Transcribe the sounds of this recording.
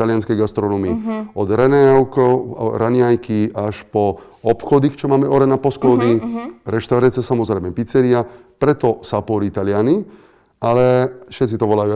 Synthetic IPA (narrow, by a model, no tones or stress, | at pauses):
t̪alɪanskɛjɡast̪ɾɔnɔːmiɔd̪ɾɛnɛwkɔ̰ɾanɪajkiaʃpɔ | ɔpxɔd̪ixt͡ʃɔmaːmɛɔɾɛnapɔsklɔd̪iɾɛʃt̪aʊɾat͡siasamɔzɾɛjmɛpit͡sɛɾiapɾɛt̪ɔsapɔɾit̪alɪani | alɛfʃɛt̪t͡sit̪ɔʋɔlaju